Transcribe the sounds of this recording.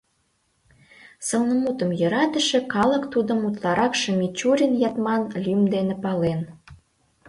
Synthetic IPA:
sə̆lnə̆mut̪ə̆mjø̆ɾɑt̪ə̆ʃĕkɑlə̆kt̪ud̪ə̆mut̪lɑɾɑkʃəmʲit͡ɕuɾʲənjɑt̪mɑnlʲymd̪enepɑlen

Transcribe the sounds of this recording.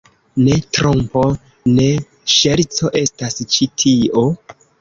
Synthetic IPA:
ne̞tɾompo̞ | ne̞ | ʃeɾt͡so̞ʔe̞stast͡ʃitʰiʔo̞

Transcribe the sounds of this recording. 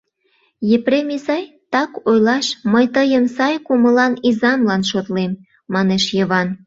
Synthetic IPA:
jepremisɑj | t̪ɑkojlɑʃməjt̪əjəmsɑjkuməlɑnizɑmlɑnʃot̪lemː | ɑneʃjəβɑn

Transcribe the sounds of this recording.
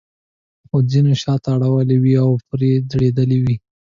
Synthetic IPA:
xod͡zinoʃɑt̪aaːɽawəlewiawpɾed̪ɽed̪əlewi

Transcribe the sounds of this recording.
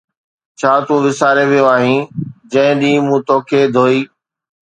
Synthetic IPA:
t͡ɕʰaːt̪ũːʋɪsaːɾeʋijoaːɦĩːd͡ʑɐ̃ɦɪ̃ɗĩːmũːt̪oːkʰeːd̪ʱoːiː

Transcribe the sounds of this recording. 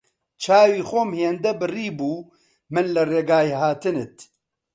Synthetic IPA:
t͡ʃʰaːwiːxomheːnd̪ɛbɨriːbuː | mɨnlɨreːɡaːjehaːt̪ɨnɨt̪

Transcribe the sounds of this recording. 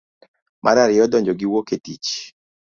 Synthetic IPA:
mʔaɾaɾɪɔdɔɲd͡ʒɔɡiwoketit͡ʃ

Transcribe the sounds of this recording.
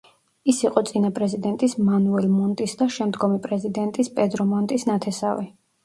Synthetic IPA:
isiqʼɔt̪sʼinapʼɾɛzid̪ɛnt̪ʼismanuɛlmɔnt̪ʼisd̪aʃɛmd̪ɡɔmipʼɾɛzid̪ɛnt̪ʼispʼɛd̪ɾɔmɔnt̪ʼisnat̪ʰɛsavi

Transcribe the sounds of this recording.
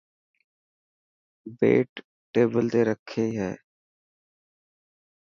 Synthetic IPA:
bḛːʈ | ʈeːbəlt̪eːɾəkʰeːɦɛː

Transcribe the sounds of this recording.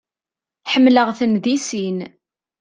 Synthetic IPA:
ħəmːləʁθənðisin

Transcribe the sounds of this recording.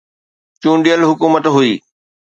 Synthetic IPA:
t͡ɕũːɳɖijəlɦʊkuːmət̪ɦuiː

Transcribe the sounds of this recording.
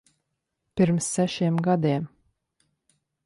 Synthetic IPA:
pʲiɾmsːæʃeːmɡad̪eːm

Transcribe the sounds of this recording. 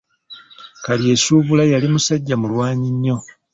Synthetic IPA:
kalje̞suːβulajalimusaɟːamulwaːɲiɲːo̞

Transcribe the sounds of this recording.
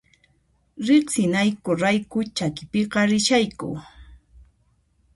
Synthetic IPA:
ɾeqsɪnajkʊɾajkʊt͡ʃakɪpɪqɑɾɪʃajkʊ̰

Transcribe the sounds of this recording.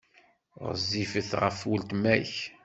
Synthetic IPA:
ʁə̰zːifəθʁə̰fwəlt̪mæç

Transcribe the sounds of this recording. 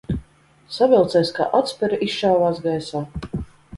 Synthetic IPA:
savʲɛlˠt̪sɛjska̰ːʔat̪sʲpʲɛɾaʔist͡ʃawvaːsɡajsaː

